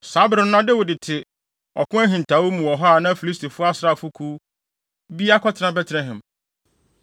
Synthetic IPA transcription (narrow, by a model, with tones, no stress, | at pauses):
sa˦bɾɪ̃˨˦n˦ã˦dɪ˦wʊ˨dɪ˨tʰɪ˨ | ɔ̰˨kʰʊ̃˦æ˦ɦĩ˨n̩˨tʰa˨wo˦mũ˨wɔ˨ɦɔ˦a˨nã˦fi˨li˦stʰi˨fʊ˦a˦sɾa˨fʊ˦kʰu˦ | bi˦a˦kʰɔ˦tʰɪ˨nã˦bɛ˦tʰɾɛ̃˦ɦɛ̃˨m